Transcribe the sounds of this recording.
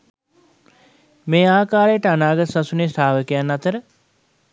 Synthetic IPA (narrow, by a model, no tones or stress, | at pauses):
meːaːkaːɾejəʈəanaːɡət̪sasuneːst̪ʰaːʋəkijanːat̪əɾə